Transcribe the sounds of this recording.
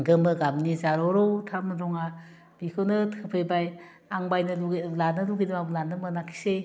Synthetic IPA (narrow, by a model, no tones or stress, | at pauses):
ɡɯmɯɡamnizaɾɔɾowtʰamɾɔŋa | bikʰɯwnɯtʰɯpʰɯjbaj | aŋbajnɯlulanɯluɡidɯmablanɯmɯnakʰi̥se